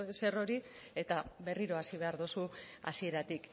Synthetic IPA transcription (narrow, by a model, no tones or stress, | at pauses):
ese̞ro̞ɾi | e̞t̪aβe̞riɾo̞asiβ̞e̞aɾðusua̰sie̞ɾat̪ik